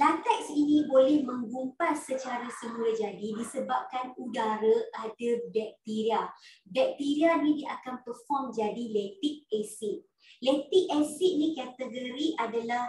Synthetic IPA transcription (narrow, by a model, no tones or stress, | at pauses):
lant̪ɛksinĩbolɛhmə̃ŋɡumpasət͡ʃaɾasəmũlad͡ʒadidisəbap̚kanudaɾaʔadəbɛk̚t̪iɾiabɛk̚t̪iɾianĩdiʔakanpərfɔmd͡ʒadilɛt̪ik̚ɛsiʔ̚ | lɛt̪ik̚ɛsiʔnĩkat̪əɡəɾiʔadalah